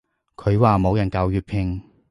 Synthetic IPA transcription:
kʰɵ˨˧ɥwaː˨mo˨˧wjɐ˨˩nkaː˨˧wjyː˨˧t̚pʰɪ˧ŋ

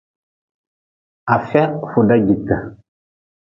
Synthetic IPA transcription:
a˨fɛ˦fu˨da˦ɟi˨ta˨

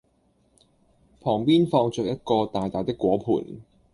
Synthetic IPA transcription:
pʰɔː˨˩ŋpiː˥nfɔː˧ŋt͡ʃœː˨k̚jɐ˥t̚kɔː˧t̪aː˨˩jt̪aː˨jt̪ɪ˥kːwɔː˨˥pʰṵː˨˩n

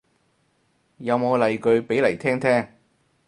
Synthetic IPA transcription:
jɐ˨˧wmo˨˧wlɐ˨jkɵ˨˧ɥpe˨˥jlɐ˨˩jt̪ʰɛː˥ŋt̪ʰɛː˥ŋ

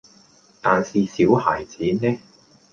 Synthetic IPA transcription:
t̪aː˨nsiː˨siː˨˥whaː˨˩jt͡siː˨˥nɛː˥

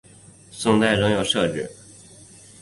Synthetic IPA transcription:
sʊ˥˧ŋt̪a˥˩ɪɻʊ˥ŋjo˥˩ʊʂɤ˥˧ʈ͡ʂɻ̩˥˩

